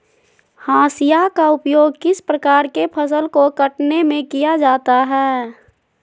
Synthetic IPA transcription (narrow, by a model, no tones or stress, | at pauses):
hãːsijakaʊpjoːɡ̚kɪspɾəkaːɾkepʰəsəlkokəʈnemẽkijad͡ʒaːt̪aɦɛː